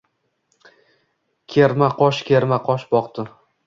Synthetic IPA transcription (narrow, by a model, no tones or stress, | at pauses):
kʲʰeɾmaqʰɒʃkʲʰeɾmaqʰɒʃbɒqt̪ɪ